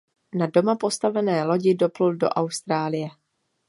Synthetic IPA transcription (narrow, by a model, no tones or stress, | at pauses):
nado̞mapo̞st̪avɛnɛːlo̞ɟɪdo̞pluldo̞̰ʔawst̪ɾaːlɪjɛ